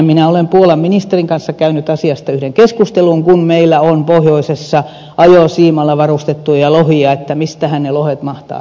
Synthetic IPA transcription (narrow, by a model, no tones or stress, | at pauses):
minæolempuolɑmminist̪eriŋkɑnsːɑkæynyt̪ɑsiɑst̪ɑyhɾeŋkeskust̪eluŋkunmeilːæonpohjoisesːɑ | ɑjosiːmɑlːɑʋɑrust̪et̪ːujɑlohiɑet̪ːæmist̪æhænnelohet̪mɑht̪ɑ̰ː